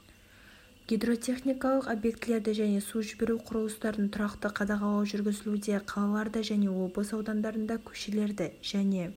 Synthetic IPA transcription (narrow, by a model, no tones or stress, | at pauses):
ɡ̥ʲijd̪ro̞t̪ʲʰe̞χnʲijkɑlˠəqo̞bjek̚t̪le̞ɾd̪ɪʒæne̞suʒɪbe̞ɾuqʰʊɾəlˠəst̪ɑɾənt̪ʰʊɾɑqt̪əqʰɑd̪ɑʁɑlˠɑwʒʏɾɡʲɪzɪlud̪e̞qʰɑlˠɑlˠɑɾd̪əʒæne̞wo̞bˠəsɑwd̪ɑmd̪ɑɾənd̪ɑkʲʰɵ̥ʃe̞le̞ɾd̪ɪʒ̥æne̞